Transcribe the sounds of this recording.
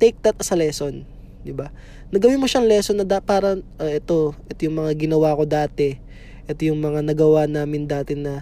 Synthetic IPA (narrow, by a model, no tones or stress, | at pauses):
t̪ɛjk̚d̪ɐt̪̚ʔɐsɐlɛːso̞n | d̪ɪba | nɐɡɐwimoʃaʔŋlɛso̞nːɐd̪apaːɾɐʔoʔɛt̪o̞ʔɛt̪ojʊŋmɐŋaɡɪnɐwaːko̞d̪aːt̪ɛ | ʔɛt̪ojʊŋmɐŋanɐɡɐwanaːmɪnd̪aːt̪ɪnɐ